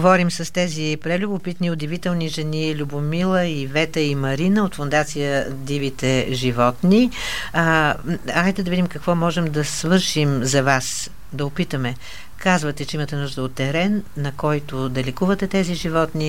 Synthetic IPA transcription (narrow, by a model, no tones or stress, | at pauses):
ɡovɔɾimsɐst̪ɛzipɾɛlʲubʊpit̪niʊd̪ivit̪ɛlˠniʒɛnilʲubʊmilˠəivɛt̪əimɐɾinəot̪fʊnd̪at̪sijə | d̪ivit̪ɛʒivɔt̪ni | ajt̪ɛd̪ɐvid̪imkɐkvɔmɔʒɛmd̪ɐsvɤɾʃimzɐvas | d̪ɐʊpit̪əmɛ | kazvət̪ɛt͡ʃɛimət̪ɛnuʒd̪əot̪ːɛɾɛnːɐkɔjt̪od̪ɐlʲɛkuvət̪ɛt̪ɛziʒivɔt̪ni